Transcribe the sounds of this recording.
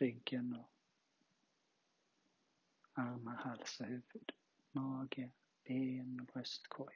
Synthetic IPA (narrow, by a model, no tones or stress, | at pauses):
ɪŋkʰənɔ | aʁmahalsəhʉ̟vəd̪̥ | mɑːɡə | b̥eːnɔbʁœst̪kʰɔ